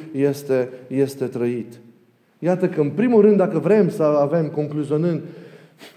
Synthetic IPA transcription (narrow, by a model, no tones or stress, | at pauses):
je̞st̪e̞je̞st̪e̞t̪ɾəit̪ | jat̪əkəɨnpɾimulrɨnd̪d̪akəvɾe̞msəave̞mko̞ŋkluzio̞nɨnd̪